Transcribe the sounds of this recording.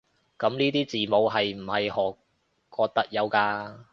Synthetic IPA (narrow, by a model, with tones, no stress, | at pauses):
kɐ˨˥mniː˥t̪iː˥t͡siː˨˩mo˨˧wɦɐ˨jm̩˨˩hɐ˨jhɔː˨˩k | kːɔː˧k̚t̪ɐ˥k̚jɐ˨˧wkaː˧